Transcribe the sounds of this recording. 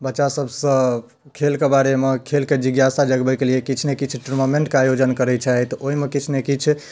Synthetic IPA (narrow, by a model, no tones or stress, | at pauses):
bətːʃasəbʱsə̃ | kʰelkebaɾemekʰelked͡ʒiɡjasad͡ʒəɡbɛkeliekit͡ʃʰnekit͡ʃʰʈuɾmameɳʈkeajod͡ʒənkəɾɛt͡ʃʰaɦɛt̪oɦimekit͡ʃʰnekit͡ʃʰ